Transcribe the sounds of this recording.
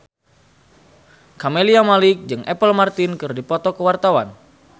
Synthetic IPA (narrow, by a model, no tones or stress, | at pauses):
kameliamalɪk̚d͡ʒɨŋʔɛpəlmart̪ɪnkɨrdipɔt̪ɔkəwart̪awan